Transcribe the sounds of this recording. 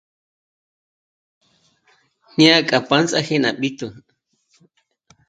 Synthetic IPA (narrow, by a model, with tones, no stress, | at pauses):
na˦kʼa˨pa˦nt͡sʼa˦he˦na̰˨ɓi˦t̪u˨